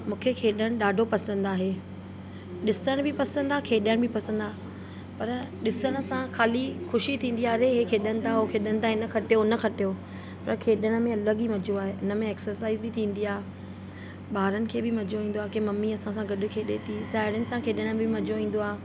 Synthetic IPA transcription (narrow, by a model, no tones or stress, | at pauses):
mũːkʰekʰeːɗəɽ̃ɗaːɖʱopɐsə̃nd̪aːɦe | ɗɪsəɽ̃bʱɪpɐsə̃nd̪akʰeːɗəɽ̃bʱɪpɐsə̃nd̪aː | pɐɾɗɪsəɽ̃̆sãxaːlixʊʃit̪ʰĩːn̆d̪iaːɾeɦekʰeːɗə̃nt̪aɦokʰeːɗə̃nɪt̪aːɪnəkʰɐʈejonɐkʰɐʈejo | pɐɾkʰeːɗəɽ̃̆mẽɐləɠimɐd͡ʑʱoaːɦeʔɪnə̆mẽɛːksəɾsaːɪzbit̪ʰĩːn̆d̪iaːɦe | ɓaːɾənɪ̆kʰeːbɪmɐd͡ʑʱoʋĩːn̆d̪oaːɦkemɐmːiɐsãsãɡɐɗʊ̆kʰeːɗet̪ʰisaːɦɪɽənɪ̆sãkʰeːɗəɽ̃mbɪmɐd͡ʑoĩːn̆d̪oaːɦe